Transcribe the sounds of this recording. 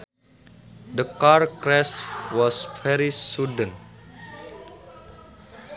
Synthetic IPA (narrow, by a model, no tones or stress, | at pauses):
dəkarkɹɛstwɔsfɛɾisudə̃n